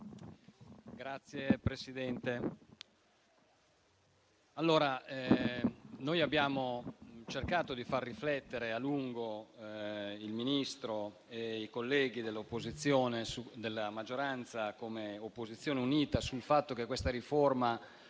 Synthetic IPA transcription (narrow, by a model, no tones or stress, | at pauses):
ɡɾat̪sːjepɾesid̪ɛnt̪e | alːoːɾa | nojabːjaːmot͡ʃerkaːt̪od̪ifarːiflɛt̪ːeɾealuŋɡo | ilminist̪ɾo | eikolːɛːɡid̪elːopːozit̪sːjoːnesud̪elːamad͡ʒːoɾant̪sakomeopːozit̪sːjoːneuniːt̪asulfat̪ːok̟ekːwest̪aɾiforma